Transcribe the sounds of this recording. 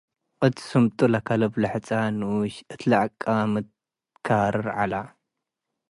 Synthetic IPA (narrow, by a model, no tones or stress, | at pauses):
qɨt̪ʰsumt̪ʼulakʰalɐblɐħt͡sʼanɨʔuʃɨt̪ʰlaʕakʼːamɨt̪ | kʰaɾɨɾʕala